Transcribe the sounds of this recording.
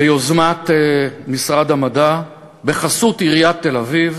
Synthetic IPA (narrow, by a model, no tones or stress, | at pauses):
ejozmat̪emisʁad̪amada | be̞χasut̪iʁijat̪ːe̞laviv